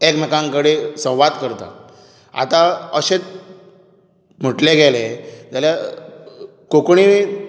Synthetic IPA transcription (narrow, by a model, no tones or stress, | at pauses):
ekmekãŋkəɽesə̃w̃ʋad̪kəɾt̪a̰ | a̰t̪ãəɕet͡s | m̤əʈleɡeled͡zalja | kokɳi